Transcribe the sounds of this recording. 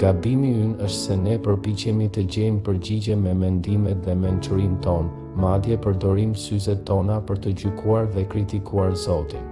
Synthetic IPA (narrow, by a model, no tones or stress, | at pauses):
ɡ̥ad̪imiynəʃt̪sɛnɛpəɾpit͡ɕɛmit̪əɟɛmpəɾɟiɟɛmɛmɛnd̪imɛt̪ðɛmɛnt͡ʃuɾint̪ɔn | mad̪jɛpəɾd̪ɔɾimsyzɛt̪ɔnapəɾt̪əɟykʰuaɾðɛkɾit̪ikʰuaɾzɔt̪i